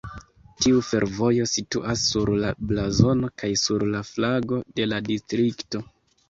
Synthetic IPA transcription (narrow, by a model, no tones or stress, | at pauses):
tiufe̞ɾvo̞jo̞sitṵʔasːuɾlablazo̞no̞kajsuɾlaflaɡo̞de̞ladistɾikto̞